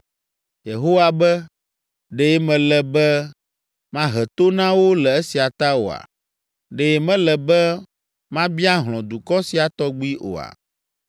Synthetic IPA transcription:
je˨ɦo˦wa˨bɛ˦ | ɖe˨˦mɛ̃˨lɛ˨bɛ˦ | mã˦ɦɛ˨t̪o˦nã˦wo˦lɛ˨e˦si˨a˨t̪a˦wo̰˨a̰˨ | ɖe˦mɛ̃˦lɛ˨bɛ˦ | mã˦bi˦a˦ɦl̃ɔ̃˨d̪u˨kɔ˦si˨a˨t̪ɔ˦ɡ͡bi˦ʔo̰˨a̰˨

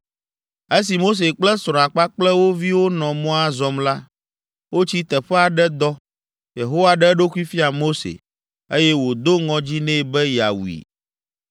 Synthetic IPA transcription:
e˦s̬i˨mo˦s̬e˨k͡plɛ˦sɾɔ̃˨ã˨k͡pa˦k͡plɛ˦wo˦vi˦wo˦nɔ̃˨mɔ̃˦a˦zɔ˨˦mla˦ | wo˦t͡ɕi˦t̪ɛ˨ɸɛ˦a˨ɖɛ˦d̪ɔ˦ | je˨ɦo˦wa˦ɖɛ˦ɖo˦ku˦i˦fi˦a˨mo˦sḛ˨ | e˦jɛ˦wo˨d̪o˦ŋɔ̃˨d͡ʑi˦nɛ̃˦˨bɛ˦ja̰˨wḭ˨

